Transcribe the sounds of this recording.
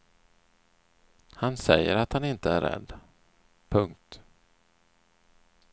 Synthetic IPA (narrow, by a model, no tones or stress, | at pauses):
hansɛjːəɾat̪hanɪnt̪əæɾɾɛ̰d̪ː | pʰɵŋk̚t̪